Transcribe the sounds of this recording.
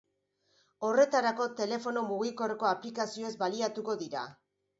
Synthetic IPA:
o̞re̞t̪aɾako̞t̪e̞le̞fo̞no̞muɣiko̞reko̞aplikasio̞ezbaliat̪uko̞ðiɾa̰

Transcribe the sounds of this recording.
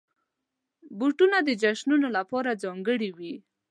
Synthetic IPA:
buʈunad̪əd͡ʒaʃnunolapɑɾad͡zɑŋɡəɽiwi

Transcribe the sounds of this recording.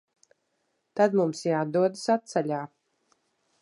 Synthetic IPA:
t̪ad̪mumsjad̪uɔd̪sat̪salʲaː

